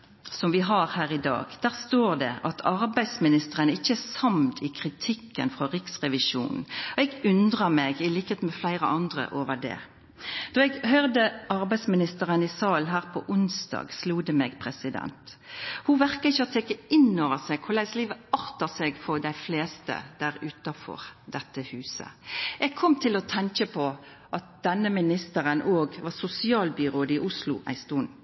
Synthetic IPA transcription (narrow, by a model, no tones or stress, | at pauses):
sɔmʋɪɦɑɾhæːʁɪd̪ɑ̰ːɡd̪̥æːʁst̪oːʁd̪ɛ̰ʔɑt̪ʰɑɾbæɪd̪smɪnɪst̪əʁənəɪçːəæsɑmd̪ʰɪkʰʁɪt̪ʰɪkːə̰nfʁɔʁɪksʁɛʋɪʃṵːnn̩ɔɛɡʉnd̪ʁəmɛːɡɪliːkəheːt̪mɛflæɪʁə̰ʔɑnd̪ʁə̰ʔoːʋəɖ̪ɛ̰ː | d̪̥ɔɛɡhøːʁd̪əʔɑʁbæɪd̪smɪnɪst̪əʁənɪsɑːlɦæːʁpʰɔʔʊnsd̪ɑ̰ːɡsluːd̪ɛmɛːɡpʰʁɛsɪd̪ɛ̰nt̪huʋæʁkəɪçːəɔt̪ʰeːkːəɪnːoːʋəseɡ̚kʰʊlæɪsliːʋəɑʁt̪əseːɡfɔʁd̪æɪfleːst̪ə̰d̪̥æʁʉːt̪ɑfɔ̰ʁd̪̥ɛt̪ːəhʉːsə̰ʔɛɡ̚kʰɔmt̪ʰɪlɔt̪ʰɛŋkəpʰɔ | ʔɑt̪̚d̪̥ɛnːəmɪnɪst̪əʁənʔoːɡʋɑːsʊsɪɑːlbʏʁoːd̪ɪʔʊslʊ̰ʔæ̰ɪst̪un